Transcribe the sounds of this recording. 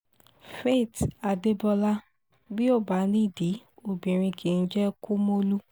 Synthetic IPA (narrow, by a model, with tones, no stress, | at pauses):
fe˦˨ta˨de˦bɔ˧la˦ | bi˦o˦˨ba˨˦nĩ˦˨di˨˦o˨bĩ˨ɾ̃ĩ˧kʰĩ˨˦n̩˦d͡ʒɛ˦ku˦mo˦lu˦